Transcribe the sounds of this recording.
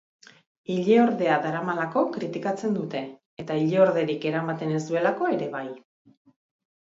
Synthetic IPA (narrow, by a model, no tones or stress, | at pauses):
iʎeoɾðe̞aðaɾamalako̞kɾit̪ikat͡se̞nd̪ut̪e̞ː | t̪aiʎeoɾðe̞ɾike̞ɾamat̪e̞ne̞sd̪ue̞lako̞e̞ɾe̞βaj